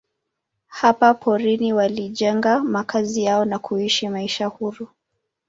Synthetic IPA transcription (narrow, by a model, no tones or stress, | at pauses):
hapapʰɔɾiniwaliʄɛŋɡamakʰazijaɔnakʰuiʃimaiʃahuɾu